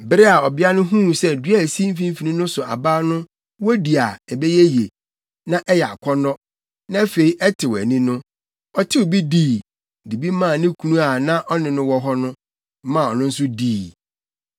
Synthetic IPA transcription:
bɪ˦ɾɪ˦a˨ɔ˨bɪ˦a˦nʊ̃˦ɦũ˦˨sɛ˦dɥa˨si˦m̩˦fĩ˦m̩˦fi˨nĩ˦nʊ̃˦sʊ˨a̰˨baː˦nʊ̃˦ | wɔ˦di˨a˨ɛ˨bɛ˦jɛ˦je˨ | nã˦ʔɛ˦jɛ˨a̰˨kʰɔ˦nɔ˦ | nã˦fe˨i˦ʔɛ˦tʰɪ˨wɛ̰˨nĩ˦nʊ̃˦ | ɔ˦tʰɪ˦o˨bi˦diː˦˨ | di˨bi˦mã˦˨nɪ̃˦kʰu˨nũ˦a˨nã˦ʔɔ˦nɪ̃˨nʊ̃˦wɔ˦ɦɔ˦nʊ̃˦ | mã˦˨ɔ˨nʊ̃˦n̩˦sʊ˦diː˦˨

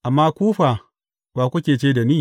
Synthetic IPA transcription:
ʔa˨mːa˦kʷuː˦ɸa˨ | baː˨kʷu˦kʲeː˨t͡ʃeː˦da˨niː˦˨

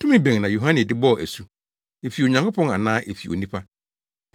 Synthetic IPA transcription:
tʰʊ˦mĩ˦bẽ˨ŋnã˨jo˨ɦã˦nɪ̃˨dɪ˦bɔ˦˨æ˨su˦ | e˨fi˨o˨ɲã˨ŋkʰo˦pʰɔ̃˦na˨nãː˦ʔe˨fi˨o̰˨nĩ˦pʰa˦

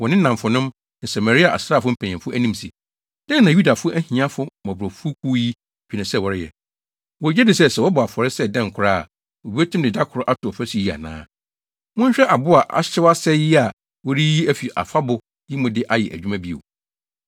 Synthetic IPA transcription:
wɔ˨nɪ̃˦nã˨m˨fʊ˨nʊ̃˦m | nã˨sa˨ma˨ɾi˦a˨a̰˨sɾaː˦˨fʊ˦m̩˦pʰæ̃˨ɛ̃˨fʊ˦æ˦nĩ˦msi˨ | dã˦n˦˨nã˨ju˦da˨fʊ˦ʔæ˦hĩ˨ã˦fʊ˦mɔ̃˨bɾɔ˨fu˦kʰu˦ji˦˨ | bᶣi˨nɪ̃˨sɛ˦˨wɔ˨ɾɪ˦jɛ̰˨ | wɔ˨d͡ʑɛ˦dɪ˨sɛ˦sɛ˨wɔ˦bʊ˨a˨fɔ˨ɾɪ˦sɛ˦dɛ̃˦˨ŋ̩˨kʰʊ˨ɾa̰ː˦˨ | wɔ˨bi˦æ˦tʰũ˦mdɪ˨da˦kʰʊ˨ɾʊ˦ʔa˦tʰʊ˨ɔ˨fæ˦si˨i˦˨a̰˨nã̰ː˦ | mʊ̃˦ɲ̩˦ɕᶣɛ˦ʔa˨bʊ˦a˨ʔa̰˨˦ɪ˦wa˦sɛ˦jɪ˦a˨ | wɔ˦ɾi˦ji˦æ˦fi˨ʔa̰˨fa˦bʊ˨ | ji˦mʊ̃˨dɪ˦ʔa˦jɛ̰˨ʔæ̰˨d͡ʑᶣu˦mã˦bi˦o̰˨

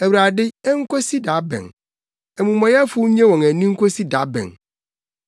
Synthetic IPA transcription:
æ˨wɾa˨dɪ˦ɛ˦ŋ̩˦kʷɔ˦si˦da˨˦bɛ̰̃˨ŋ | ɛ˨mũ˨mɔ̃˨jɛ˦a˦fʊ˦ɲɛ̃˦wɔ̃˨ŋæ˨nĩ˦ŋ̩˦kʰo˦si˦da˨˦bɛ̰̃˨ŋ

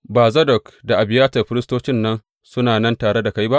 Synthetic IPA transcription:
baː˨zɐ˦dɔ˨kda˨ʔa˨bɪ˨jaː˦tɐ˨ɸɪ˦ɾɪ˦stoː˦t͡ʃɪ˦nːɐ˦n | sʊ˦naː˨nɐ˦ntaː˨ɽe˦da˨ka˦jba˦ʔ

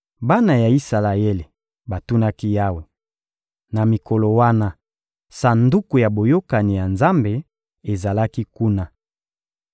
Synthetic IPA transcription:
ba˦na˨ja˨i˦sa˨la˨je˦le˨ | ba˨tu˦na˦ki˦ja˦we˨ | na˨mi˨ko˨lo˨wa˦na˦ | sa˨ndu˦ku˨ja˨bo˨jo˦ka˨ni˨ja˨nza˦mbe˨ | e˨za˨la˦ki˦ku˦na˦

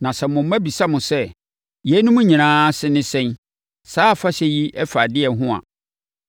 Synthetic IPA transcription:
nã˨sɛ˨mʊ̃˨m˦æ̃˦bi˨sa˦mʊ̃˨sɛ˦ | jɛ˨˦nʊ̃˦mʊ̃˦ɲĩ˨ãː˦sɪ˦nɪ̃˦sɛ̃˦n | saː˦˨fa˦ɕɛ˦ji˦ʔɛ˦fa˨dɪ˦ɛ˨˦ɦʊ̃˦a̰˨

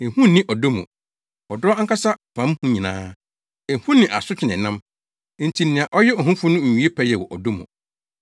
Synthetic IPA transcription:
e˨hũ˦nɪ̃˦ʔɔ˨do˦mṵ̃˨ | ɔ˨dʊ˦ɔ˦a˦ŋ̩˦kʰa˦sa˦˨fã˨˦m˦hũ˦ɲĩ˨nã̰ː˦ | e˨hũ˦nːɪ̃˨ʔa̰˨sʊ˦t͡ɕᶣʰɪ˨nɪ̃˨nã˦m˦ | n̩˨tʰi˨nɪ̃˨ã˨ʔɔ˦jɛ˦ɔ˨ɦũ˦fʊ˦nʊ̃˦ɲ̩˨ɥi˨˦e˦pʰɛ˦jɛ˨wɔ˨ʔɔ˨do˦mṵ̃˨

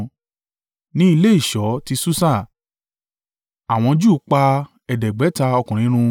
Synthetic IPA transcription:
nĩ˦i˧le˦i˦˨ʃɔ˨˦ti˧su˦sa˦˨ | a˨w̃ɔ̃˧d͡ʒu˦˨˦k͡pa˧ | ɛ˨dɛ˨ɡ͡bɛ˨˦ta˧ɔ˧kũ˨ɾ̃ĩ˨˦ɾ̃ũ˧

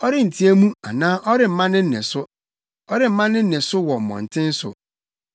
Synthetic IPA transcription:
ɔ˦ɾɪ˦n̩˨tʰi˦æ˦mũ˦a̰˨nãː˦ʔɔ˦ɾɪ˦˨m̩˨mã˦nɪ̃˦n̩˦nɪ̰̃˨sʊ˦ | ɔ˦ɾɪ˦m̩˦mã˦nɪ̃˦n̩˦nɪ̃˨sʊ˦wɔ˨m̩˨mɔ̰̃˨n̩˨tʰɪ̃˦n̩˦sʊ̰˨

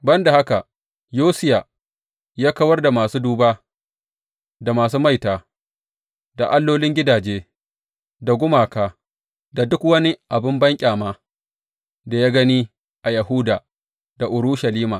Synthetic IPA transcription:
bɐ˦nda˨ha˦ka˨ | joː˦sɪ˦ja˨ | jaː˦kɐ˦wɐ˦rda˨maː˨suː˦duː˦baː˦ | da˨maː˨s̬uː˦ma˦˨jtaː˨ | da˨ʔa˦lːoː˦lɪ˦ŋɡʲɪ˦daː˨d͡ʒeː˦ | da˨ɡʷʊ˦maː˨kaː˦ | da˨dʊ˦kwɐ˦ni˦ʔa˨bɪ˦mbɐ˦ŋkʲʼaː˨maː˦ | da˨jaː˦ɡɐ˦niː˦ | ʔa˨jɐ˨ɦuː˦daː˨ | da˨ʔʊ˨ɾuː˦ʃa˨liː˦maː˨

